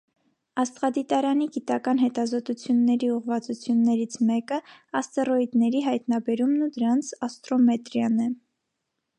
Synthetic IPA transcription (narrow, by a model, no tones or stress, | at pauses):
ɑst̪ʁɑd̪it̪ɑɾɑniɡit̪ɑkɑn̪ɦɛt̪ɑzɔt̪ut͡sʰjunːɛɾiuʁvɑt͡sut͡sʰjunːɛɾit͡sʰmɛkəɑst̪ɛɾɔid̪nɛɾiɦɑjt̪nɑbɛɾumnud̪əɾɑnt͡sʰɑst̪ɾɔmɛt̪ɾjɑnɛ